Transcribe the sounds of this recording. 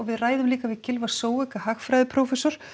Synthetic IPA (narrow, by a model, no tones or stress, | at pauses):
ɔɣvɪðraːjðʏmliːkavɪðcʰɪlvasoːwɛkahaxfɾajðɪpʰɾoːwfɛsɔɾ̥